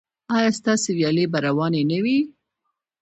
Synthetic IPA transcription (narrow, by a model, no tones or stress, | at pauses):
ɑjɑst̪ɑsewjɑlebaɾawɑnenawi